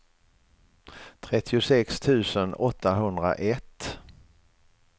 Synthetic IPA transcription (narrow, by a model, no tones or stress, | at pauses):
t̪ʰɾɛt̪ʰːɪʊsɛkst̪ʰʉ̟ːsənɔt̪ːaɦɵnd̪ɾa̰ʔɛt̪ː